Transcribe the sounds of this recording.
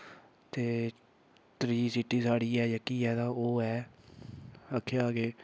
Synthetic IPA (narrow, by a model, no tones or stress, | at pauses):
t̪eː | t̪ɾiːsiʈiːsaːɽiːɛːjəkiːɛːt̪ãːoːɛː | əkʰːeaːɡeː